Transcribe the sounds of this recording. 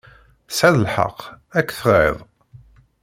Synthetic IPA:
sʕaðəlħə̰qː | ækːθəʁḛðˤ

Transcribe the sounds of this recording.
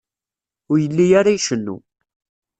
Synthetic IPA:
ʊɾjəlːijaɾajʃənːṵ

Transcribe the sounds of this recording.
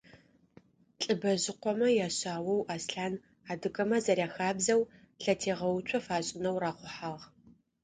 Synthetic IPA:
ɬʼɨbɐʑɪqʷɔmɐjaːɕaːwɐwʔaːsɬaːn | aːdɨkʼɐmɐzɐrjaːxaːbzɐw | ɬɐtʰeːʁɐwʊt͡ʃʷʰʼɔfaːɕʼɪnɐwraːqʷʊħaːʁ

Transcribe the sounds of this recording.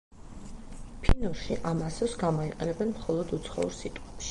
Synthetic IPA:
pʰinɔʃiʔamasɛvsɡamɔiqʼɛnɛbɛnmχɔlˠɔd̪ut̪sʰχɔ̰ṵɾsit̪ʼɔʃi

